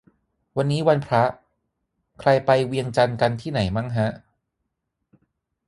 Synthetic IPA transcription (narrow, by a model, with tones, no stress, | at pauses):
wa˧nːiː˦˥wa˧npʰɾa˦˥ʔ | kʰɾa˧jpa˧jwi˧əŋt͡ɕa˧nka˧nt̪ʰiː˥˩na˩˦jma˥˩ŋɦa˦˥ʔ